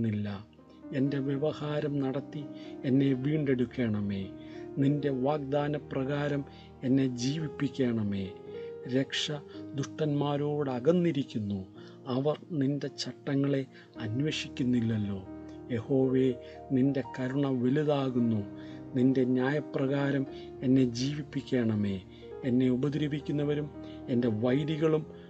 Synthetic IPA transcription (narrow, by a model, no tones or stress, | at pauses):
ilːɐ | e̞nde̞ʋjeʋɐhaːɾɐmnɐɽɐt̪ːienːe̞ʋiːɳɖe̞ɽukʲːeːɳɐme̞ːninde̞ʋaːɡ̚d̪aːnɐprɐɣaːɾɐm | e̞nːe̞d͡ʑiːʋipːikʲːeːɳɐme̞ːɾe̞kʂɐd̪uʂʈɐnmaːɾo̞ːɽɨɐɣɐnːiɾikʲːunːu | ɐʋɐrninde̞t͡ɕɐʈːɐŋːɐɭe̞ | ɐnʋeʂikʲːunːilːɐlːo̞ːje̞ho̞ːʋeːninde̞kɐɾuɳɐʋe̞luðaːɣunːu | ninde̞ɲaːjɐprɐɣaːɾɐm | e̞nːe̞d͡ʑiːʋipːikʲːeːɳɐme̞ː | enːe̞ubɐd̪ɾibikʲːunːɐʋɐɾum | e̞nde̞ʋɐjðiɣɐɭum